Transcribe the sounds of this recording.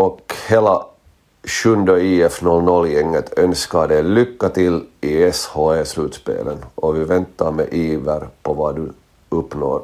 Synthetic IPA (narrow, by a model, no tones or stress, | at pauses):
ɔkheːla | ʃɵnd̪əiːɛfnɔlnɔlːjɛŋːət̪ʰœnskaɖɛlʏkːat̪ɪlɪɛshoːeslʉːt̪spḛːlənʔɔʋɪvɛnt̪ːɑɾmḛʔiːvəɾpʰɔvɑd̪ʉ | ɵpːno̰ːɾ